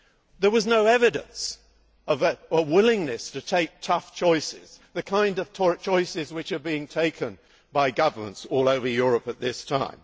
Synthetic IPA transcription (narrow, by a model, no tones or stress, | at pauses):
ðə˞wʌznoʊɛvɨɾɨ̰̃ns | ʌvəwɪlˠɪ̃ŋnɨstɨtʰeɪk̚tʰʌft͡ʃʰɔɪsɪ̰z̥ðɨkʰãɪ̃ndʌv̥tʰɔɹt͡ʃʰɔɪsɪzwɨt͡ʃə˞biɪ̃ŋtʰeɪkʰɨ̃n | baɪɡʌvə˞mə̰̃ntsɔlˠoʊvə˞jʊɹɨpɨt̪̚ðɪstʰã̰ɪ̃m